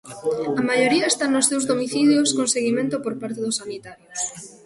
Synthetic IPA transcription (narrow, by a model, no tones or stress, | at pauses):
ɐmaʎoɾiɐest̪annʊsewzðomiθiljoskoŋseɣimẽnt̪ʊpoɾpaɾt̪eðʊsanit̪aɾjos